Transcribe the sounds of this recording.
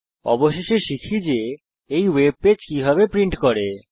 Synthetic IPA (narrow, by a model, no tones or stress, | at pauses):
ɔ̰boʃeʃeɾʃikʰid͡ʑe | ejweb̚ped͡ʑkibʱaβepɾiɳʈkɔɾe